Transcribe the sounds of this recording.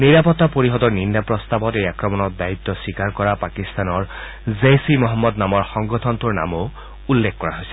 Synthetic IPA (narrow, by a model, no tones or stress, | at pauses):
niɹapɔt̪ːapoɹiɦɔd̪ɔɹnindapɹɔst̪abɔtejakɹɔmɔnɔt̚d̪ait̪ːɔsikaɹkɔɹapakist̪anɔɹ | zejsimɔɦɔmːɔd̪namɔɹxɔŋɡɔt̪ʰɔnt̪uɹna̰mo | ulːekʰkɔɹaɦojsɛ̥